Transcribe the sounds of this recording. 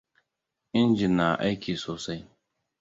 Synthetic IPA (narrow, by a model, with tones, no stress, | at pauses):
ʔɪ˦nd͡ʒɪ˨nːa˨ʔa˦jkʲiː˨soː˨sa˦j